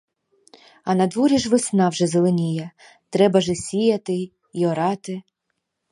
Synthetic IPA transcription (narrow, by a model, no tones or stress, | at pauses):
ɐnɐd̪ʋɔɾʲiʒʋɪsnɑwʒɛzelˠenʲijɐ | t̪ɾɛbɐʒɛsʲijɐt̪ɪ | iɔɾɑt̪ɪ